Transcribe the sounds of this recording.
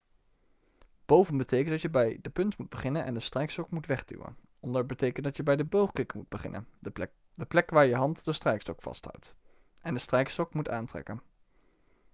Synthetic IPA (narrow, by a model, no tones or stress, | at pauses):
b̥owvənbətejkəndɑtjəbɛjdəpɵntmud̚bəχɪnənʔɛ̰ndəstrɛjkstɔkmutʋɛχdy̰wə̰n | ɔndəɹbətejkəntdɑtjəbɛjdəbowχkɪkmud̚bəχɪ̰nə̰n | dəplɛkʋaːɹjəɦɑntdəstrɛjkstɔkfɑ̰stɦʌ̰wt | ʔɛndəstrɛjkstɔkmutaːntrɛ̰kən